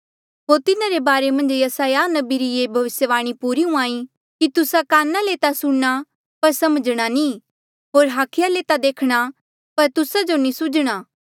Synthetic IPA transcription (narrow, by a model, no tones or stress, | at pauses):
ɦoːɾt̪ɪnãɾebaːɾemɐ̃nd͡ʒjɐsaːjanɐbiɾijeːbʱɐʋɪsjəʋaːɽ̃ipuːɾiɦũaːi | kit̪ʊsakaːnːaleːt̪asʊɽɽ̃a | pɐɾsɐməd͡ʒɽ̃anĩ | ɦoːɾɦaːkʰɪjaleːt̪ad̪eːkʰɽ̃a | pɐɾt̪ʊsad͡ʒonĩsʊd͡ʒɽ̃aː